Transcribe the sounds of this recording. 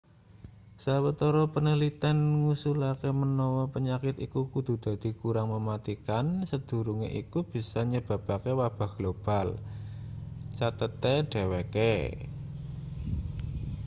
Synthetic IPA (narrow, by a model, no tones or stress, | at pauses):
sawət̪ɔɾɔpənəlit̪anŋusulakemənɔwɔpəɲakɪt̪ikukud̪̥ṳd̪̥a̤d̪̥i̤kuɾaŋməmat̪ikansəd̪̥ṳɾuŋḛʔikub̥i̤saɲəb̥a̤pakewab̥a̤hɡ̥lob̥a̤l | t͡ʃat̪ət̪ɛɖ̥eweke